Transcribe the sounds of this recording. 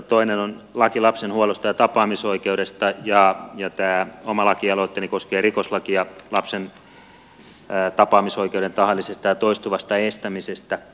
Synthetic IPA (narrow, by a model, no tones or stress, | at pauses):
t̪oinenon | lɑkilɑpsenhuolost̪ɑjɑt̪ɑpɑːmisoikeudest̪ɑjɑjɑt̪æːomɑlɑkiɑloet̪ːenikoskeːrikoslɑkijɑlɑpsen | t̪ɑpɑːmisoikeuɾent̪ɑhɑlːˑisest̪ɑjɑt̪oist̪uʋɑst̪ɑest̪æmisest̪æ